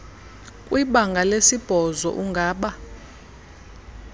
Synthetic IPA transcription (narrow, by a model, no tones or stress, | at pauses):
kʼwiɓaŋɡʱalesib̥ʱɔzɔ̰ʔuŋɡʱaːɓa